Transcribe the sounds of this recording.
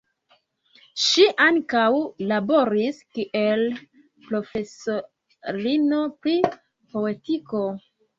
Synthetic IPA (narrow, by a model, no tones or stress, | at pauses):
ʃiʔaŋkawlabo̞ɾiskiʔe̞l | pɾo̞fe̞so | ɾino̞pɾi | po̞e̞tiko̞